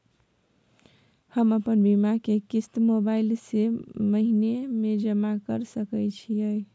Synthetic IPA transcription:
həməpənbimakekist̪mobailseməɦinemed͡ʒəmakəɾsəkəjt͡ʃʰiəj

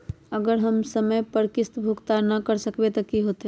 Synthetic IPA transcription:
əɡəɾɦəmsəməjpəɾkɪst̪bʱukt̪anɐkəɾsəkbet̪ɐkiɦoːt̪e

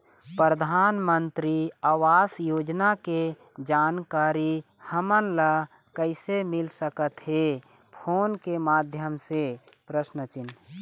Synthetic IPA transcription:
pɾɾəd̪ʱaːnmənt̪ɾiaːwaːsjoːd͡ʒnake | d͡ʒaːnkaːɾihəmənləkəɪsemɪlsəkət̪ɦe | pʰoːnkemaːd̪ʱjəmsepɾəsnət͡ʃɪn

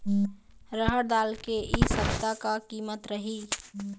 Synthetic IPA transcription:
ɾəɦəɽd̪aːlkeʔisəbt̪akakiːmət̪ɾəɦi

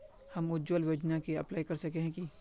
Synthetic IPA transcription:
hɐmʊd͡ʒwəlʋoːd͡ʒnakiɐ̰plaːikɐɾsɐkeɦɛ̃ki

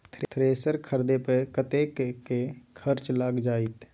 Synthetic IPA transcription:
t̪ʰt̪ʰɾeːsəɾkʰəɾd̪epekət̪ekkekʰəɾt͡ʃlaːɡd͡ʒaːit̪

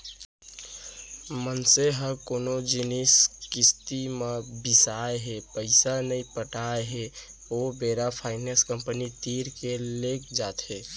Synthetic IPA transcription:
mənseɦə̃konod͡ʒiniskɪst̪imebisaeɦepəɪsanəĩpəʈaeɦe | obeɾapʰaɪneskəmpənit̪iɾkelekd͡ʒat̪ɦe

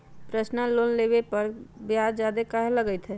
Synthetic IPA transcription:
pɾəsnaloːnleːbepəɾbjaːd͡ʒd͡ʒaːd̪ekaɦeləɡəɪt̪ɦɛː

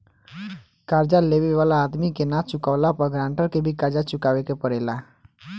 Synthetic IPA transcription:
kaɾd͡ʒaleʋeʋalaːd̪mikenat͡ʃʊkaʋlapəɡɾãːɳʈəɾkebʱikaɾd͡ʒat͡ʃʊkaːʋekepəɽeːla

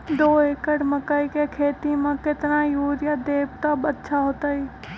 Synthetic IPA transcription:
d̪oːeːkəʈməkəikekʰeːt̪imẽkɪt̪najuːɾjad̪eːbt̪abətːʃʰaɦoːt̪aiː

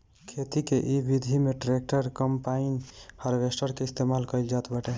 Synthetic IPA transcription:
kʰet̪ikeʔibid̪ʱimeʈɾek̚ʈəɾkəmpainhəɾbesʈəɾkeist̪emalkəɪld͡ʒat̪bəʈe

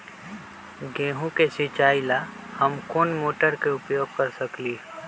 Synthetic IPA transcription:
ɡẽːɦũkesɪt͡ʃaːila | həmkoːnmoːʈəɾkeʊpjoːɡ̚kəɾsəkliː

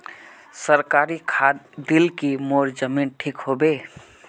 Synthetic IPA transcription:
səɾkaːɾikʰaːd̪d̪ɪlkimoːɾd͡ʒəmiːnʈʰiːkɦobeː

